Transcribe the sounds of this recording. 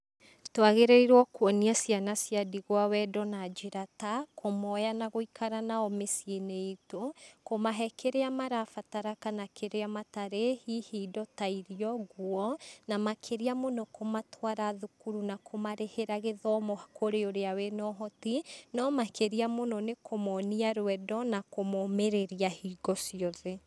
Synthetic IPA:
twaɣeɾeiɾwɔkwɔniasjanasjadiɣwawɛdɔnad͡ʒiɾatakʰomɔjanaɣoikʰaɾanaɔmesieneitokomaɦɛkʰeɾeamaɾafataɾakanakʰeɾeamataɾehihiːdɔtaiɾiɔɣwɔnamakʰeɾiamonɔkomatʰwaɾaðukuɾunakʰomaɾeheɾaɣeðɔmohakoɾeoɾeawenɔɦɔtinɔmakeɾiamonɔnekomɔniaɾwɛdɔnakomomeɾeɾiahiɡɔsiɔðe

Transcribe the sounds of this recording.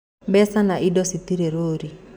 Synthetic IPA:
bɛsanaʔidɔsit̪iɾeɾoːɾi

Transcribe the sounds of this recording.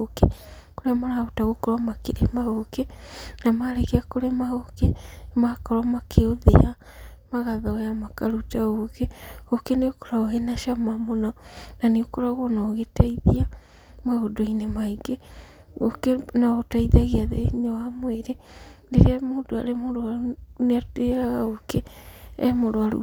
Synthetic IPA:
oke | koɾeamaɾaotaɣokɔɾwamakeɾemaɣokenamaɾeɣeakoɾemaɣokemakɔɾamakʰeoðḛa | maɣaðajamakaɾutaɣoɣeɣokeneoko̥ɾaoɣenaʃamamonɔnaneokoɾaɣɔnaɣetaiðia | maɣodoinemaiɡe | ɣokenaɣotaiðaɣeaðḛɲoamweɾendeɾeamoːdoa̰ɾemoɾoaɾuneateɾaɣaɣokeː | moɾoaɾṵ

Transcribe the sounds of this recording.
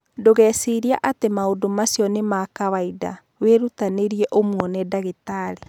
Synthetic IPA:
doɣɛsiɾiaʔatemaodomasjɔnemakaβaida̰ | weɾutaneɾiɛʔomwɔnɛdaɣetaɾe

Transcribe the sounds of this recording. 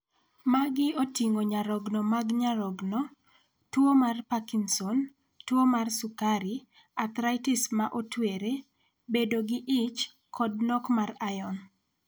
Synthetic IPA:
maɡɪotiŋoɲaɾɔɡnɔmaɡɲaɾɔɡnɔ | twomarpakinsɔn | twomarsukaɾi | at̪ɾaɪtɪsmaʔotweɾe | bedoɡɪʔɪt͡ʃ | kʰɔd̚nɔkmarajɔn

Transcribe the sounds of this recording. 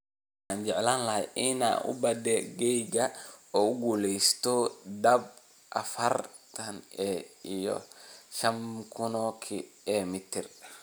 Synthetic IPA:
w | ħaːnt͡ʃɛʕlaːnlɐhɛ̰ʔɪna̰ːʔʊ̰bɐd̪ɛɡɛjɡɐɔːʊɡuːlɛjst̪ʰɔd̪ɐb | ʔɐfɐrt̪ʰɐnɛijɔ̰ʃɐmkʰʊnɔkʰiɛːmɪt̪ʰɪr

